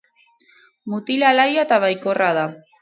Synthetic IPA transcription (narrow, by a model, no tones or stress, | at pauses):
mut̪ilalajat̪aβajkoraða